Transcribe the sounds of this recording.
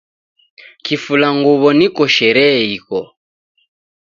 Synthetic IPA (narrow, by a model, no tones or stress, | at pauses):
kifulaŋɡuβɔnikɔʃɛɾɛikɔ